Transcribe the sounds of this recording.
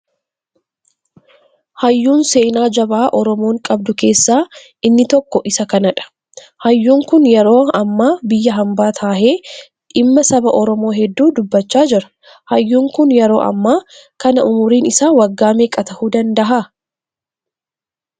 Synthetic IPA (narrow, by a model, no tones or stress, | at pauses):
hɐjːuːnseːnaːd͡ʒɐbaːʔɔɾɔmoːŋkʼɐb̚d̪ʊke̞ːsːaː | ɪnːɪt̪ɔkːɔʔɪsɐkɐnɐᶑɐ̥ | hɐjːuːŋkʊnjɛɾo̞ːɐmːaːbɪjːɐɦɐmbaːt̪ʰaːhe̞ː | ᶑɪmːɐsɐbɐʔɔɾɔmo̞ːɦɛd̪ːuːd̪ʊbːɐt͡ʃːaːd͡ʒɪɾɐ̥ | hɐjːuːŋkʊnjɛɾo̞̰ːʔɐ̰mːaːkɐnɐʔʊmʊɾiːnɪsaːwɐɡːaːmeːkʼɐt̪ɐhuːd̪ɐnd̪ɐɦa